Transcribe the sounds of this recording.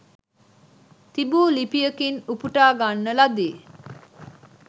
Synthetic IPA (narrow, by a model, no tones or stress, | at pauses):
t̪ibuːlipijəkinupuʈaːɡanːəlad̪iː